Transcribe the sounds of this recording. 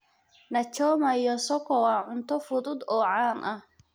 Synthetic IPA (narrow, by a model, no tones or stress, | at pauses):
nɐt͡ʃɔːmɐjɔsɔkʰɔwɑʕʊnt̪ʰɔfʊðʊd̪ɔːʕaːnʔɐh